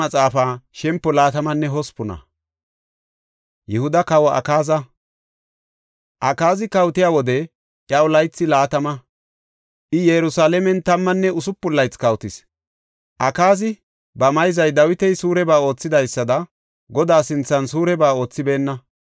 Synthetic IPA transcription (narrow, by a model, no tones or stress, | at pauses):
ɐt͡sʼaːfaːʃɛmpːɔlaːt̪ɐmɐnːɛɦɔspʊnɐ̰ | jɛhʊd̪ɐkɐwɔʔɐ̰kaːzɐ | ʔɐkaːzɪkɐwt̪ɪjaːwɔd̪ɛ | ʔjɐɔlɐjt͡sːɪlaːt̪ɐmɐ | ʔɪjɛɾʊsaːlɛmɛnt̪ɐmːɐnːɛʊsʊpːʊlːɐjt͡skɐwt̪ɪs | ʔɐkaːzɪ | bɐmɐjzɐjd̪ɐwɪt̪ɛjsuːɾɛbaːo̞ːt͡sːɪd̪ɐjsːɐd̪ɐ | ɡɔd̪aːsɪnt͡sːɐnsuːɾɛbaːo̞ːt͡sːɪbe̞ːnːɐ